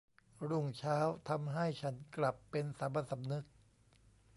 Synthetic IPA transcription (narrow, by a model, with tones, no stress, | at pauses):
ɾu˥˩ŋt͡ɕʰaː˦˥wt̪ʰa˧mɦa˥˩jt͡ɕʰa˦˥nkla˨˩pːe˧nsa˩˦mba˧t̪sa˨˦mnɯ˦˥k̚